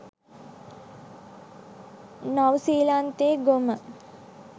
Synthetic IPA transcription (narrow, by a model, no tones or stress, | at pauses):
nawsiːlant̪eːɡomə